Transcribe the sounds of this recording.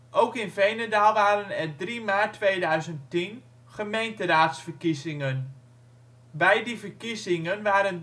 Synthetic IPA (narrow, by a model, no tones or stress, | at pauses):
ʔowkɪnvejnədaːlˠʋaːɾənɛrdrimaːtːʋejdœɥzəntin | χəmejntəraːtsfərkizɪŋən | bɛjdivərkizɪŋənʋaːɾən